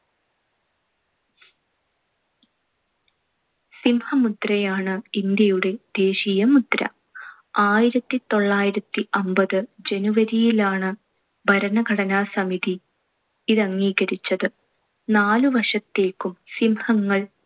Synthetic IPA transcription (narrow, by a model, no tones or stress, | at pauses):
simhɐmud̪rɐjaːɳɨind̪jɐjuɽe̞d̪̥e̞ːɕijɐmut̪ɾɐ̰ | aːjiɾɐt̪ːit̪o̞ɭːaːjiɾɐt̪ːiʔɐmbɐðɨd͡ʑe̞nuʋɐɾijilaːɳɨ | bʱɐɾɐnɐɡʱɐɽɐnaːsɐmiði | iðɐŋːiːɣɐɾit͡ɕːɐðɨ | naːluʋɐʂɐt̪ːe̞ːkːumsimhɐŋːɐɭ